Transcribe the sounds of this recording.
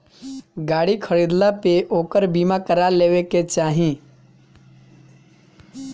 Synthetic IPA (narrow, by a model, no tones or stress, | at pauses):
ɡaːɽikʰəɾiːd̪lapeʔoːkəɾbiːmakəɾaleːweket͡ʃaːɦĩ